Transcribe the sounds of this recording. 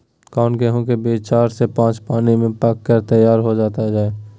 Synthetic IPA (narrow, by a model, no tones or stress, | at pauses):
kaːnkeɦõkebet͡ʃaːɾsepãːt͡ʃpaːnimẽpaːkːəɾt̪əjaːɾɦod͡ʒaːt̪ad͡ʒaːeː